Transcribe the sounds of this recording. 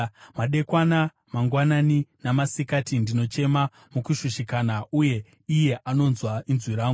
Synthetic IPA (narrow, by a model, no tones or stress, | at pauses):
maɗe̞kwana | maŋɡwananinamasikatindino̞t͡ʃe̞ma | mukuʃuʃikanauje̞ | ije̞ʔano̞nzwainzwiɾaːŋɡu